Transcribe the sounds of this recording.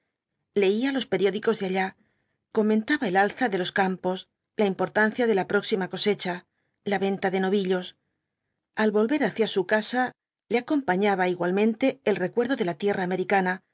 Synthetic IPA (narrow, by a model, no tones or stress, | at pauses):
le̞ialo̞spe̞ɾjo̞ðiko̞zðeaʎa | ko̞ment̪aβaelalθaðe̞lo̞skampo̞s | laimpo̞ɾt̪anθjaðe̞lapɾo̞ksimako̞se̞t͡ʃa | laβe̞nt̪aðe̞no̞βiʎo̞s | alβo̞lβe̞ɾaθjasukasa | leako̞mpaɲaβaiɣwalmẽ̞nt̪e̞ːlre̞kwe̞ɾðo̞ðe̞lat̪je̞rʔaːme̞ɾikana